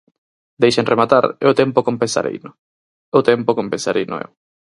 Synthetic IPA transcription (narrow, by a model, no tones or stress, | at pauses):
d̪ejʃeŋremat̪aɾeʊt̪empokompensa̰ɾʔḛjnʊ | ʊt̪empokompẽnsaɾʔijnʊ̰ḛw